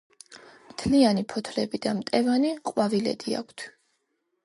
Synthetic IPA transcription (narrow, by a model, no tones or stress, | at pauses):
mt̪ʰlianipʰɔt̪ʰlɛbid̪amt̪ʼɛvaniqʼwavilɛ̰d̪ia̰kʷʰt̪ʰ